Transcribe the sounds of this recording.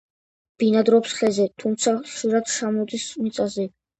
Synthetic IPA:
b̥inad̪ɾɔpsχɛzɛt̪ʰumt̪sʰaχʃiɾad̪ʃʰamɔd̪ismit̪ʼazɛ

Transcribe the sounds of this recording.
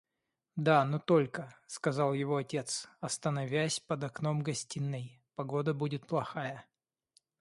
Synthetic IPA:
d̪anot̪o̞lʲkəskɐzɑlˠjɪvo̞ɐtʲe̞t̪sɐst̪ənɐvʲæsʲpəd̪ɐkno̞mɡɐsʲtʲinːɨj | pɐɡo̞d̪əbudʲɪt̪̚plˠɐxajə

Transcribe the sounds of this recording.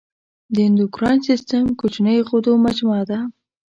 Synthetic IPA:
d̪əɪnd̪ʊkɾɑnsist̪əmkot͡ʃnəjɣod̪omad͡ʒmɑd̪a

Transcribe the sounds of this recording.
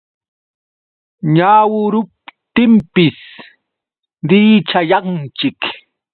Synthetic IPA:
ɲaːwʊɾʊp̚t̪ɪmpɪs | ɾɪːt͡ʃajɑnt͡ʃɪk

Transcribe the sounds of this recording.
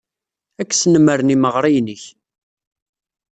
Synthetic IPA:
ækːsnəməɾniməʁɾˤijnəç

